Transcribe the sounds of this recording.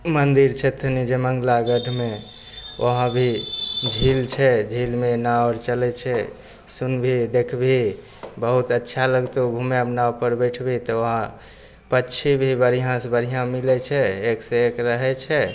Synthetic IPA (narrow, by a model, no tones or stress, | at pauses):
mənd̪iɾt͡ʃʰɛt̪ʰənid͡ʒeməŋɡlaɡəɖʱme | ʔoɦãbʱid͡ʒʱilt͡ʃʰɛd͡ʒʱilmenaɔɾt͡ʃəlɛt͡ʃʰɛ | sunbʱid̪ekʰbʱi | bəɦut̪ətːʃʰaləɡt̪oɡʱumeəpnaupəɾbəʈʰbʱit̪ɔəɦã | pətːʃʰibʱibəɾijãsbəɾijãmilɛt͡ʃʰɛekseekɾəɦɛt͡ʃʰɛ